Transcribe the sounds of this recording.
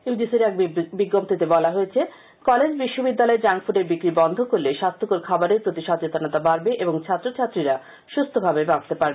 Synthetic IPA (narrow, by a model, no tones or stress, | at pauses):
iud͡ʑisiɾɛk̚biɡːomt̪ʰit̪ebɔlaɦoet͡ɕʰe | kɔled͡ʑbiʃːobid̪ːalɔed͡ʑaŋfuɾeɾbikɾibɔnd̪ʱokoɾleʃast̪ʰokoɾkʰabaɾeɾpɾot̪iʃɔt͡ɕet̪onat̪abaɾbeʔeboŋt͡ɕʰat̪ːɾot͡ɕʰat̪ːɾiɾa | ʃust̪ʰobʱabebab̚t̪epaɾbee